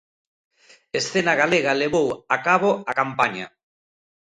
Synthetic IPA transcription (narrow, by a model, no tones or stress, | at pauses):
esθenaɣaleɣaleβowakaβoakampaɲa̰